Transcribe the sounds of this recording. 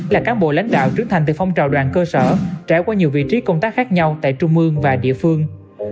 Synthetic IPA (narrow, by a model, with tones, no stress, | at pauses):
laː˨˩kaː˨˦nɓo̰˧˨la̰˧˥jŋ̟ɗa̰ː˧˨wt͡ɕɨ˨˦əŋt̪ʰa˨˩jt̪ɨ˨˩fa˧wŋ͡mt͡ɕa̰ː˨˩wɗwa̰ː˧˨nkəː˧səː˧˩t͡ɕaː˧˩jkwaː˧ɲi˨˩əwvḭ˧˨t͡ɕi˨˦kə˧wŋ͡mt̪aː˦˥k̚xaː˦˥k̚ɲa˧wt̪a̰ː˧˨jt͡ɕʊ˧ŋ͡mʔɨ˧əŋvaː˨˩ɗḭ˧˨əfɨ˧əŋ